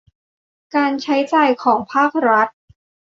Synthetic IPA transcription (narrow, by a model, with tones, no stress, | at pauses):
kaː˧nt͡ɕʰa˦˥jt͡ɕaː˨˧jkʰɔː˩˦ŋpʰaː˥˩k̚ɾa˦˥t̪̚